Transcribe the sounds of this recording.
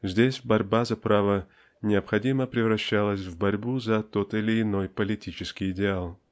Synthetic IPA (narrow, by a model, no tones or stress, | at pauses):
zʲdʲesʲbɐɾʲbazɐpɾavə | nʲɪəpxɐdʲiməpɾʲɪvɾɐɕːalˠəsʲvbɐɾʲbuzɐt̪o̞t̪ɪlʲɪːno̞jpəlʲɪtʲit͡ɕɪskʲɪjɪdʲɪalˠ